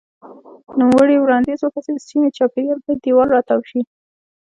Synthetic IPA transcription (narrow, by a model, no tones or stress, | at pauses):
numwəɽiwɾɑnd̪izwapased̪əsimet͡ʃɑpeɡ̪albɑjd̪̚d̪iwɑlɾɑt̪awʃi